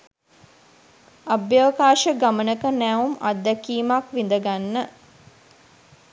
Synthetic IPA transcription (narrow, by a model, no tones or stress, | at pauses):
abjəʋəkaːʃəɡamənəkənæːumad̪ːækiːmakʋind̪əɡanːə